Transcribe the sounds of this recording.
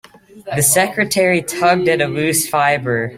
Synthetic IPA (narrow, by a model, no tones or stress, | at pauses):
ðɨsɛkɹɨtʰɛɹitʰʌɡ̚dɨɾɨlʉsfaɪbə˞